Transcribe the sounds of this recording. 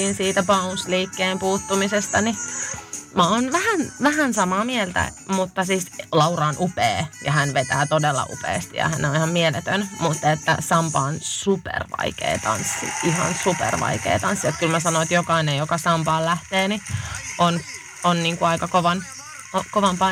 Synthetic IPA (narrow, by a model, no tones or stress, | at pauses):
iːnsiːt̪æbɑunsliːkːeːmpuːt̪ːumisest̪ɑni | mæonʋæhænʋæhænsɑmɑːmielt̪æ̰ | mut̪ːɑsiːslɑwɾɑːnʔupeːjɑhænʋet̪æːt̪odelːɑ̰ʔṵpḛːst̪ijɑ̰hænːeonihɑmmielet̪ønmut̪ːet̪ːæsɑmpɑːnsupḛrʋɑ̰ikḛːt̪ɑ̰nsːḭiɦɑ̰nsupḛrʋɑ̰ikḛːt̪ɑnsːiet̪kylmæsɑnoit̪jokɑinejjokɑsɑmpɑːllæht̪eːniʔon | onniːŋkuɑikɑkoʋɑn | okoʋɑmpɑ